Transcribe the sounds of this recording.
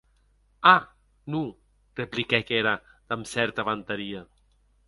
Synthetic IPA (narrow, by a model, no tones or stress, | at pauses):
a | nu | replikɛkeɾad̪̥amsɛɾt̪aβant̪aɾia